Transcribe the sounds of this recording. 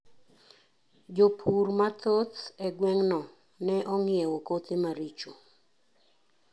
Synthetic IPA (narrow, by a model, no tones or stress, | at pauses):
d͡ʒopʰurmat̪ʰot̪ɛɡwɛŋnɔ | nɛʔɔŋjɛwokot̪ɪmaɾit͡ʃo